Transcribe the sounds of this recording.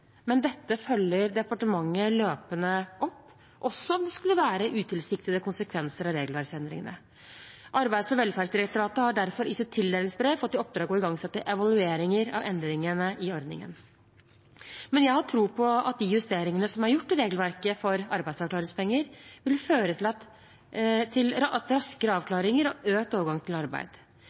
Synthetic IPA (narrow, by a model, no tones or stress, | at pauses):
mɛnd̪ɛt̪ːəfœljəɾd̪ɛpɑʈəmɑŋːəløːpənəʔɔpː | ʔɔsːɔɔmd̪ɛskʉlːəʋæːɾəʔʉːt̪ʰɪlsɪk̚t̪ɪd̪əkʊnsəkʰʋɛnsəɾɑʋɾeːɡlʋæɾksɛnd̪ɾɪ̰ŋənə̰ | ʔɑɾbæɪsɔʋɛlfæːɾʂd̪ɪɾɛkt̪ʊɾɑːt̪əhɑɖæɾfɔɾɪsɪt̪ʰɪld̪æːlɪŋsbɾeːfɔt̪ːɪɔp̚d̪ɾɑːɡɔɪɡɑŋsɛt̪ːəʔɛʋɑlʉeːɾɪŋəɾɑ̰ʋɛnd̪ɾɪŋənəʔɪɔɾd̪nɪ̰ŋə̰n | mɛnjæɪhɑʈʰɾuːpʰɔɑ̰t̪̚d̪ɪjʉst̪eːɾɪŋənəsɔmæɾjʊʈːɪɾeːɡlʋæɾkəfɔɾɑɾbæɪd̪sɑʋklɑːɾɪŋspʰɛŋːəɾʋɪlføːɾət̪ʰɪlɑt̪ | t̪ʰːɪlt̪ɾɑskəɾəɑːʋkʰlɑːɾɪŋəɾɔʔøːt̪oːʋəɾɡɑŋt̪ʰɪlɑɾbæ̰ɪd̪̥